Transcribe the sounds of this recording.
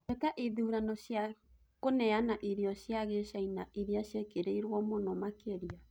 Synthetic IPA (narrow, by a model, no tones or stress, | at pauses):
ɛkaʔiðuuɾanɔɕja | konɛanaʔiɾiɔɕjaɣeʃainaʔiɾiaʃjekeɾeiɾwɔmonɔmakeɾia